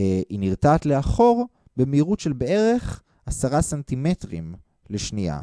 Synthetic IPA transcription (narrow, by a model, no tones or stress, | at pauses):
einiʁtaːtleaχo̞ʁ | bemeiʁutʃelbee̞ʁe̞χ | asaʁasant̪imetʁim | leʃnia̰